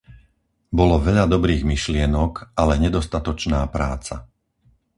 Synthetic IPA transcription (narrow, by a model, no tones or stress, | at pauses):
bɔlɔʋɛʎad̪ɔbɾiːɣmiʃlɪɛnɔkalɛɲɛd̪ɔst̪at̪ɔt͡ʃnaːpɾaːt͡sa